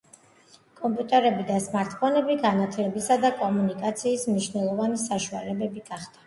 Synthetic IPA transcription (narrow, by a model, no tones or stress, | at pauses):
kʼɔmpʼjut̪ʼɛɾɛbid̪asmaɾt̪ʰʼpʰɔnɛbiɡanat̪ʰlɛbisad̪akʼɔmunikʼat̪sʰiːsmniʃvnɛlˠɔvanisaʃua̰lɛbɛbiɡ̥aχd̪a